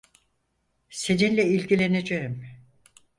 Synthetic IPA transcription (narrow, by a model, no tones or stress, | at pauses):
se̞ninlʲɛilʲɟilʲe̞ned͡ʒeim